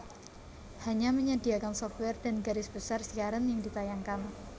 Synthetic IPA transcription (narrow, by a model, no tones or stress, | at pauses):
haɲaməɲadiakansɔft̪̚wɛrd̥a̤nɡaɾɪsb̥əsarsikaɾanjaŋdit̪ajaŋkan